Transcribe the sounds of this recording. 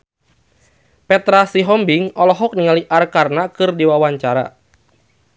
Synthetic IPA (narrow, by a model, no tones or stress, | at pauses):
pɛt̪ɾasiɦɔmbiŋɔlɔɦɔk̚niŋaliʔarkarnakɨrdiwawaɲt͡ʃaɾa̰